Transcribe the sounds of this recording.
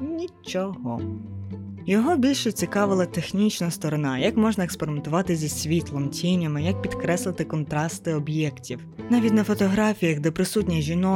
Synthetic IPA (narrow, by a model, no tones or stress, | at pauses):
nʲit͡ʃɔɦɔ | jɔɦɔbʲilʲʃɛt͡sʲikɑʋɪlˠɐt̪exnʲit͡ʃnɐst̪ɔɾɔnɑjɐkmɔʒnɐekspeɾɪme̞nt̪ʊʋɑt̪ɪzʲisʲʋʲit̪lˠɔmtʲinʲɐmɪjɐk̚pʲid̪kɾɛslˠɪt̪ɪkɔnt̪ɾɑst̪ɪɔbjɛktʲiw | nɑʋʲitʲnɐfɔt̪ɔɦɾɑfʲijɐɣd̪ɛpɾɪsutʲnʲijʒʲinɔ